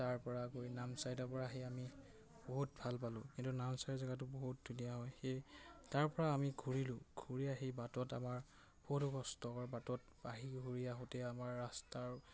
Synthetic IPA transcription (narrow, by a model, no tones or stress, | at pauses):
taɹpɔɹakojnamsajdɔpɔɹaɦejami | boɦut̚bʱalpalʊ̃kintunamsajzaɡatʊboɦut̚dʱunijaɦɔjxejtaɹpɔɹaːmiɡʱuɹilʊ̃ɡʱuɹijaɦejbatɔta̰maɹ | b̥oɦutɔɡɔstɔaɹbatɔt̚ | b̥aɦiɡʱuɹijaɦotɛamaɹːastaɹ